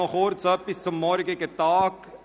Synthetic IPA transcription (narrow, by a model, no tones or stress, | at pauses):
ɔxoːɾsɐpɪsɐmːɔːɾkeket̪aːk